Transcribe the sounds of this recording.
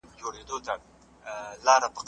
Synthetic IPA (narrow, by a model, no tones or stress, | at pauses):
d͡ʒoɽed̪ot̪a | lɑɾapəq